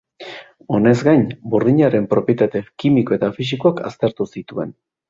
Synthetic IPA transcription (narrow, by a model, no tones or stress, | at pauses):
o̞ne̞zɡajɲbuɾðiɲaɾe̞mpɾo̞pje̞t̪at̪e̞kimiko̞e̞t̪afis̬ikoaka̰st̪e̞ɾt̪usit̪ue̞̰n